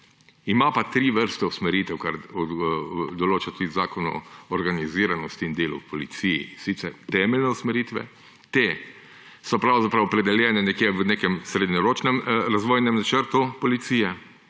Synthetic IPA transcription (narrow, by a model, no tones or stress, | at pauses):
imapat̪ɾiːʋəɾst̪ɛusmɛɾiːt̪ɛwkaɾɔ | d̪ɔloːt͡ʃat̪ud̪izaːkɔnṵɔɾɡaniziːɾanɔst̪iːnd̪eːlṵwpɔlit̪sijḭsit̪sɛ̰ɾt̪ɛːmɛlnɛusmɛɾiːt̪ʋɛ̰ | t̪eː | sɔpɾawzapɾawɔpɾɛd̪ɛljɛːnɛnɛkjeːʋənekɛmsɾed̪ɲɔɾoːt͡ʃnɛmɾazʋoːjnɛmnat͡ʃəɾt̪upɔlit̪siːjɛ